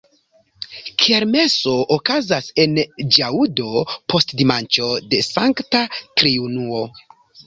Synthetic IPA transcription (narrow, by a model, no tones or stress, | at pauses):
kʰieɾme̞so̞ʔokazase̞nd͡ʒaudo̞pʰo̞stdimant͡ʃo̞de̞saŋktatɾiunuo